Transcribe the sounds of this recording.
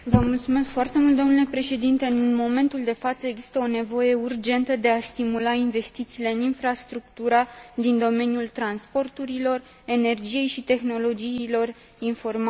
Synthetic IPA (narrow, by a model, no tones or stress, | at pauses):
vəmult̪sume̞skfoart̪e̞mult̪d̪onulepɾe̞ʃe̞d̪int̪e̞ɨnmo̞me̞nt̪uld̪e̞fat̪səe̞ɡzist̪əo̞ne̞vo̞je̞urd͡ʒe̞nt̪əd̪e̞ast̪imulainve̞st̪it̪siːle̞ɨninfɾast̪ɾuk̚t̪uɾad̪ind̪o̞me̞njult̪ɾanspo̞rt̪uɾilo̞r | e̞ne̞rd͡ʒije̞jʃit̪e̞xno̞lo̞d͡ʒiːlo̞r | info̞rma